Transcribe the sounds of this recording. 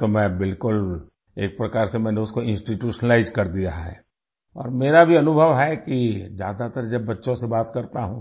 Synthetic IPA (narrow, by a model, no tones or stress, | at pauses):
t̪omɛ̃ːbɪlkʊl | eːk̚pɾɐkaːɾsemɛ̃ːneʊskoɪ̃nsʈiʈjuːʃnlaːɪzkɐɾd̪ijaɦɛ̰ː | ɔ̰ːɾmeːɾabʱiɐnʊbʱəʋɦɛkid͡ʒja̰ːd̪at̪əɾd͡ʒɐbːɐtːʃõsebaːt̪kɐɾt̪aɦũ